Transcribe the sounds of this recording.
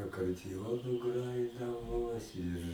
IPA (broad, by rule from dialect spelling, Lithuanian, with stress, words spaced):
ɐkɐrʲdʲɪˈjoːnʊ ˈɡrɑːjɪdɐʋoː ˈɪr